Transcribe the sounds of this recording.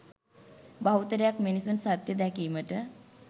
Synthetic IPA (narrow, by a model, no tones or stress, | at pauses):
baɦwt̪əɾjakmenisuːnsat̪ːjəd̪akiːm̤əʈə